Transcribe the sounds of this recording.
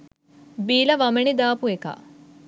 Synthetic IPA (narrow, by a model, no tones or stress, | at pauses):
biːlɐʋɐmeɳid̪aːpueka̰ː